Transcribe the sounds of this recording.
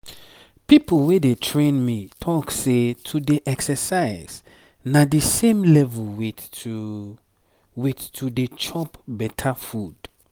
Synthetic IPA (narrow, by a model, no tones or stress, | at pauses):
pipəlwedetʰɹẽnmitʰɔksetʰudeʔɛksəsaɪz | nadisẽmlɛvulw | wittʰudet͡ʃɔpbɛtʰafud̥